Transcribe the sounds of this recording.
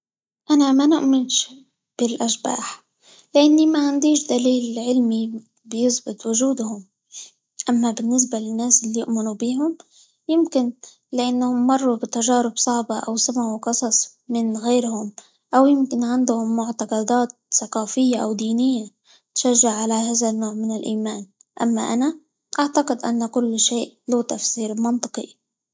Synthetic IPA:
ʔanamanʊʔmɪnʃ | b̥ɪlʔaʃba̰ːħ | lɪʔanːimaʕand̪iːʃd̪aliːlʕɪlmi | bɪjɪsbɪt̪ˤwʊʒuːd̪hʊm | ʔamːabɪnːɪs̬balɪnːaːsʔɪlːijʊ̰ʔmɪnubiːɦʊm | jɪmkɪn | lɪʔanːhʊmːɑrˤːubɪt̪aʒaːɾɪbsˤɑʕbɑʔawsamaʕwqɑsˤɑsˤmɪnɣeːɾhʊm | ʔawjɪmkɪnʕand̪hʊmːʊʕt̪ɑqɑd̪aːt̪̚sɑqɑːfɪjːaʔawd̪iːnɪjːa | t̪ʃaʒːaʕːalaɦaːðanːoːʕmɪnɪlʔiːmaːn | ʔamːa̰ʔana | ʔaʕt̪aqɪd̪ʔa̰nːakʊlːʃeːʔluːt̪afsiːɾɪlmɑnt̪ˤɨqḭ

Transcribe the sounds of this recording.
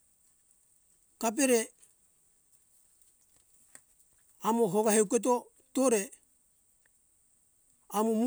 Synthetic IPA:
kap̬eɾe | amoɦoɡaɦewket̬o | toɾe | amomu

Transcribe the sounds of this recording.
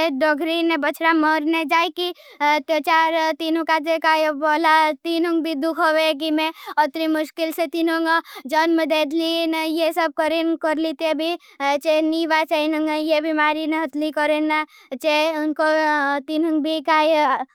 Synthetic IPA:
eɖɔɡʱɾinebət͡ʃʰɾamɔɾned͡ʒaːikit̪et͡ʃaːɾt̪iːnũkad͡ʒ̪ekajboːlat̪inuŋɡbʱid̪ukʰoʋek̬imẽɔt̪ɾimʊʃkɪlset̪inõŋɡd͡ʒənmed̪eːd̪linjesəb̚kəɾinkəɾlit̪ebʱi | t͡ʃeniːʋat͡ʃainəŋɡjebʱimaːɾineɦət̪likɔɾen | t͡ʃeʊnkot̪inuŋɡbʱikaːj

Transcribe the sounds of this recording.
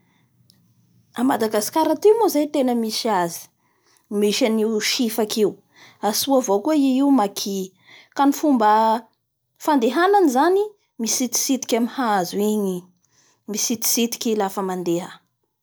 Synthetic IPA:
amad̪aɡasi̥kaɾat̪imozajt̪enəmiʃiazi̥ | miʃaniuʃifakiu | asuavokueiiumakʰi | kanifumbə | fand̪eɦananizani | misit̪i̥sit̪i̥kʲamihaazuiɲi | misit̪i̥sit̪i̥kʲilafəmand̪eɦə

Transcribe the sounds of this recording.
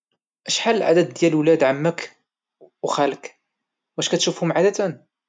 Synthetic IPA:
ʔæʃħalːəlʕa̰d̪æd̪ːjælwlæd̪ʕamːək | wxælək | wʔæʃkæt̪ʃufhʊmʕad̪æt̪æn

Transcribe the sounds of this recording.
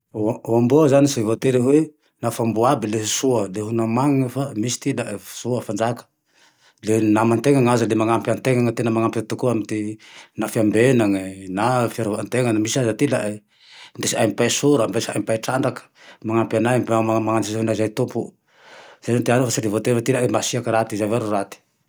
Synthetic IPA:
uambuəzanisivot̪eɾeɦwe | nafambuabileɦusuəleɦunamaŋŋəfamisi̥t̪ilaʔfsuəfand͡ʒakə̥ | lenamant̪eŋaŋazalemaŋampiant̪eŋaŋət̪enəmaŋampit̪ukuamint̪inafiambenaŋənafaɾuant̪eŋanmisiazat̪ilaʔ | nd̪esiajmpajsuɾambesia̰jmpajʈ͡ʂaɳɖ͡ʐakə̥maŋampianaamaŋant̪izaɦnazajt̪umpu | z̥anot̪ianufasiɾivot̪envat̪ilaemasiakəɾat̪izaveɾurat̪i̥

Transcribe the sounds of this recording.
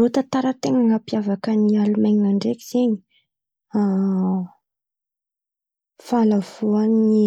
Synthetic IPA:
ot̪at̪aɾət̪eŋaŋapiavakənialumajɲiaɳɖ͡ʐekiz̥eɲi̥ | a | falav̥uani

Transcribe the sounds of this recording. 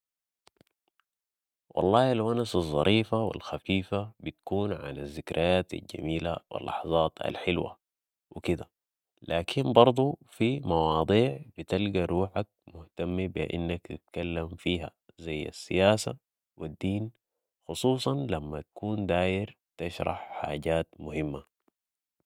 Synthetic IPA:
wɑ̰lˤːɑːalwanasɑzˤːɑ̰ɾʔiːfawḭlxafiːfabit̪ḁkuːnʕa̰nazːɪkɾajaːt̪a̰lɟa̰miːla̰wḭlːɑ̰ħzˤɑːt̪a̰lħɪlwa̰ | wikid̪a | laːkʰinbɑɾˤd̪ˤufimɑwɑːd̪ˤiːʕb̥it̪alɡaɾuːħak̚mʊht̪amːibiʔɪ̰nːakt̪it̪̚kalːamfiːɦa̰zajːa̰sːijaːsa̰ | wid̪ːiːn | xʊsˤuːsˤɑnlamːat̪ḁkuːnd̪aːjɪɾ | t̪aʃɾˤɑ̰ħħa̰ːɟaːt̪mʊhimːa

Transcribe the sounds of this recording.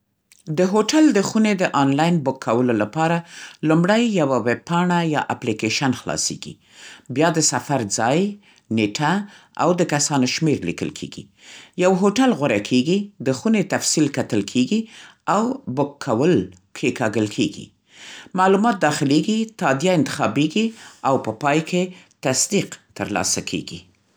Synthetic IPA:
d̪əɦoʈald̪əxuned̪əʔɑnlɑjnbʊkʰːawəlolapɑɾalumɽajːawaweb̚pɑɳajɑ̰ʔaplikeʃanxlɑ̰sḛɡ̥ḭ | bjɑd̪əsafaɾd͡zɑj | neʈʰa | a̰wd̪əkasɑnoʃmeɾlḭkə̰lkʰḛɡḭ | jawɦoʈalɣwaɾakʰeɡid̪əxunet̪afsilkat̪əlkʰeɡiawbʊkʰːawəl | kʰekɑɡəlkʰeɡḭ | mɑlumɑt̪̚d̪ɑxɪleɡit̪ɑd̪jaɪnt̪ɪ̥xɑbeɡiawpəpɑjket̪asd̪iqt̪əɾlɑ̰sakʰḛɡḭ

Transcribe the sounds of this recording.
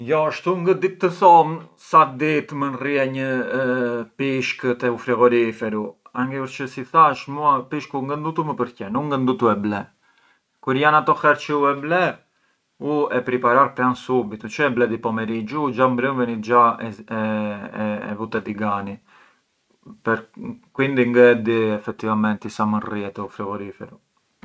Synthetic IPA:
jɔʃt̪uŋɡəd̪it̪ːəθɔm | sat̪d̪it̪mənriɛɲə | piʃkət̪ɛufɾɛɣɔɾifɛɾuaŋɡɛəɾt͡ʃəsiθaʃmuapiʃkuŋɡənd̪ut̪uməpəɾcɛnuŋɡənd̪ut̪uɛblɛ | kuɾjanat̪ɔxɛɾt͡ʃəuɛblɛ | uɛpɾipaɾaɾpɾansubit̪ut͡ʃəɛblɛd̪ipɔmɛɾid͡ʒud͡ʒambɾənvənit̪d͡ʒaɛ | ɛ̰vut̪ɛd̪iɡani | pɛɾkwind̪iŋɡɛd̪iɛfɛt̪ːivamɛnt̪isaməriɛt̪ɛufɾɛɣɔɾifɛ̰ɾu

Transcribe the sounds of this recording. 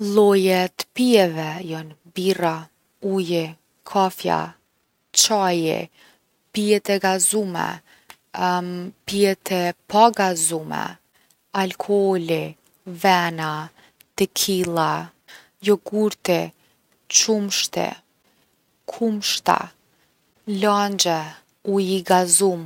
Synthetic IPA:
lˠɔjɛt̪ə̥piɛvɛjɔnbira | ujɛ | kʰafja̰ | t͡ʃajɛ̰ | piɛt̪ɛɡazumɛ̰ | piɛt̪ʰɛpʰaɡazumɛ̰ | alkʰɔɔli | vɛna | t̪əkʰilˠa | jɔɡuɾt̪ɛ | t͡ʃumʃt̪ɛ̰ | kʰumʃt̪a̰ | land͡ʒɛ | ujiɡazum

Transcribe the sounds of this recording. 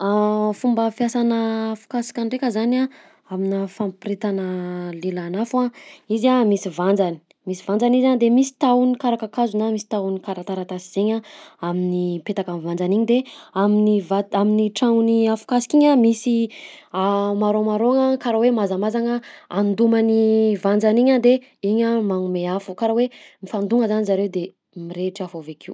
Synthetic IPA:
fumbəfjasanəːfu̥kasi̥kʲanɖ͡ʐekʲəzana | aminafampiɾet̪anəlelanafaizamisivand͡zani̥ | misivand͡zanizand̪emisi̥t̪awnikaɾakakazunamisi̥t̪awnikaɾat̪aɾat̪asiz̥eɲaaminipet̪akanvand͡zaniɲid̪eaminivaaminiʈ͡ʂaŋuniafu̥kasi̥kiɲamisiamaɾomaɾoaŋakaɾawemazamazaŋəand̪umanivand͡zaniɲad̪e | iɲəmaŋumeafukaɾawemifand̪uŋəzanizaɾewd̪e | miɾeʈ͡ʂiafovekʰiw

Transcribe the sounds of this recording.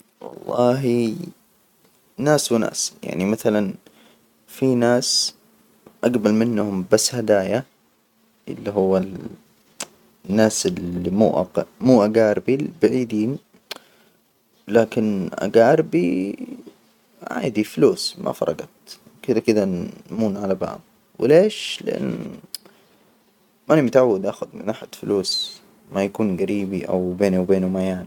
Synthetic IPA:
wɑ̰lˤːɑːɦi | naːswna̰ːsja̰ʕnimaθalan | finaːs | ʔaɡbɑlmɪnːhʊmbasːhad̪aːja | ʔɪ̰lːiɦʊwːa | nːaːsɪlːimṵːʔa̰ɡmuːʔaɡaːɾbibɪʕiːd̪iːn | laːkɪnʔa̰ɡaːɾbi | ʕa̰ːd̪ifluːsmʔa̰fɑ̰ɾˤɑɡɑt̪ | kɪd̪akɪd̪anmuːnʕalaba̰ːb̚ | wɪleːʃlɪʔa̰nː | ʔanimʊt̪ʕawːad̪ʔaːxʊd̪mɪnʔaħad̪fluːs | majakuːnɡaɾiːbiʔa̰wbeːnuwbeːnumajaːni

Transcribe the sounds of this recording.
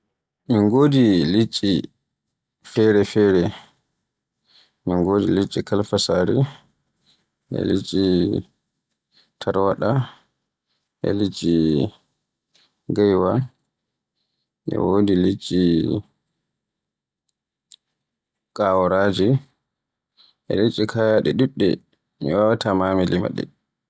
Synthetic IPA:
minɡoːdilit͡ʃʼːi | fɛɾɛfɛːɾɛ | miŋɡoːdilit͡ʃʼːikalfasaːɾḭ | ʔɛ̰lit͡ʃʼːi | tʰaɾwaɗa | ʔɛ̰lit͡ʃʼːi | ɡajwa | ʔɛ̰wodilit͡ʃʼːi | kʼawɔɾad͡ʒi | ʔɛ̰lit͡ʃʼːikʰajaɗɛɗuɗːɛ̰ | mɛwawatamaːmɛlima̰ɗɛ̰

